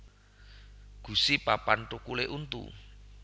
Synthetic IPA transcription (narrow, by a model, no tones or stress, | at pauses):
ɡ̥ṳsipapanʈukuleʔunt̪ṵ